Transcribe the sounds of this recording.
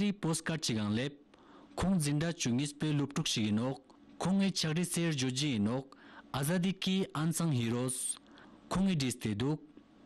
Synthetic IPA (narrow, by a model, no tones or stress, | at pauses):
ɾiposkart͡ɕikaŋlep̚ | kʰoŋd͡ziɳɖ͡ʐat͡ɕuŋispelop̚ʈ͡ʂok̚ɕik̚ːinɦoχ | kʰoŋːit͡ɕʰak̚riserɦd͡ʑoɦd͡ʑəjənoχ̚ʔazad̪ikiʔansʰaŋɦiɾoskʰoŋːiɖ͡ʐist̪ed̪uk̚